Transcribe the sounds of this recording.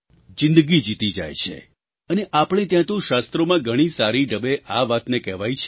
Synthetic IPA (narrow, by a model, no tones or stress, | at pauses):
d͡ʒɪ̃nd̪əɡid͡ʒit̪id͡ʒa̰jt͡ʃʰḛ | əneʔapɽ̃et̪jãt̪ũʃast̪ɾomãɡʱəɽ̃isaɾiɖəbeʔaʋat̪nekɛʋajt͡ʃʰ